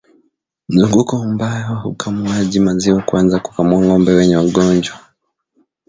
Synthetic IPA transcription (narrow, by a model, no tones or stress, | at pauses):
m̩zuŋɡukɔumbajɔwahukʰamuaʄimaziwakuanzaku̥kamuaŋɡɔmbɛwɛɲɛwaɠɔnd͡ʒwa